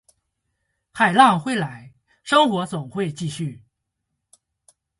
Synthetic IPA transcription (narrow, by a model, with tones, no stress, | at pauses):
xa˨˩ɪlɑ˥˩ŋxwe˥˩ɪla˧˥ɪ | ʂɤ˥ŋxwɔ˧˥t͡sʊ˨˩ŋxwe˥˧ɪt͡ɕi˥˧ɕy˥˩